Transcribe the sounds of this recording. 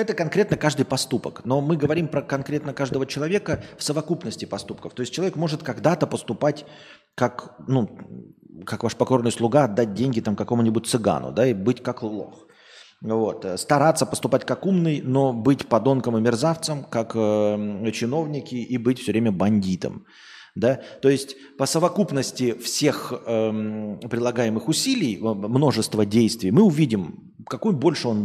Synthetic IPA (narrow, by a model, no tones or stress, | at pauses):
ɛt̪əkɐnkɾʲe̞t̪nəkaʐd̪ɨjpɐst̪upəkno̞mɨɡəvɐɾʲimpɾəkɐnkɾʲe̞t̪nəkaʐd̪əvət͡ɕɪlˠɐvʲe̞kəfsəvɐkupnəsʲtʲɪpɐst̪upkə̥ft̪o̞ɪs̚ʲt͡ɕɪɐvʲekmo̞ʐɨt̪kɐɡd̪at̪əpəst̪ʊpatʲ | kaknu | kakvaʂpɐko̞rnɨjslˠʊɡaɐd̪ːat̚ʲdʲenʲɡʲɪt̪amkɐko̞mʊnʲɪbʊt̚ʲt̪sɨɡa̰nʊ̰d̪aibɨtʲkakllˠo̞̰x | vo̞t̪əst̪ɐɾat̪səpəst̪ʊpatʲkakumnɨjno̞bɨtʲpɐd̪o̞nkəmɨmʲɪrzaft̪səmkakət͡ɕɪno̞vnʲɪkʲɪʔibɨtʲfsʲɵvɾʲemʲəbɐnʲdʲit̪ə̰m | d̪at̪o̞ɪsʲtʲ | pəsəvɐkupnəsʲtʲɪfsʲe̞xəpɾʲɪlˠɐɡajɪmɨxʊsʲilʲɪjmno̞ʐɨst̪vədʲejst̪vʲɪjmɨʊvʲidʲɪm | kɐkujbo̞lʲʂɨo̞n